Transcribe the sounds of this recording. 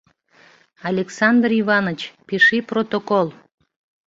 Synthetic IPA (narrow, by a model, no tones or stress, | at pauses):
ɑlʲeksɑnd̪riβɑnət͡ɕpiʃiprot̪okolˠ